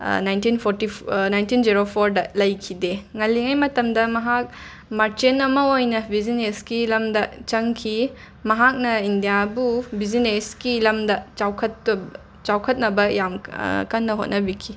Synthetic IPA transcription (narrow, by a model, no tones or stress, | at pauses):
najntinpʰoɾtinajntind͡ʒiɾopʰoɾdɐlɐjkʰideŋɐlːiŋajmɐtɐmdɐmɐɦak̚ | maɾt͡ʃenɐmɐojnɐbizineskilɐmdɐt͡ʃɐŋkʰi | mɐɦak̚nɐindijabubizineskilɐmdɐt͡ʃawkʰɐt̚ɐ | t͡ʃawkʰɐt̚nɐbɐjamkɐnːɐɦot̚nɐbikʰi